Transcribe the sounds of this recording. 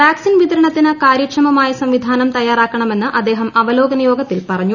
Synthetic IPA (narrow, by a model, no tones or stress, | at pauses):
ʋjaːksinʋid̪ɐɾɐɳɐt̪ːinɨkaːɾikʂɐmɐmaːjɐsɐmʋid̪ʱaːnɐmt̪ɐjːaːɾaːkːɐɳɐme̞nːɨʔɐd̪ːeːɦɐmɐʋɐlo̞ːɡɐnɐjo̞ːɡɐtt̪ːilpɐrɐɲːu